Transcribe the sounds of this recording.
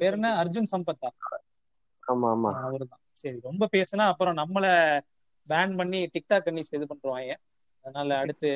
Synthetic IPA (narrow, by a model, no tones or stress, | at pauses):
peːɾɐnɐɐɾd͡ʒʊnsɐmbɐt̪ːaː | aːmama̰ɐʋɐɾɯðãːsɐɾiɾɔmbɐpeːsɯnaːɐpːɯɾɔ̃nɐmːɐlɐ | baːɳɖpɐɳːiʈɪk̚ʈaːkːɐɳːisejðɯpɐɳɾɯʋãːŋɡɐ̃ | ɐðɐnaːlɐːɽɯt̪ːɯ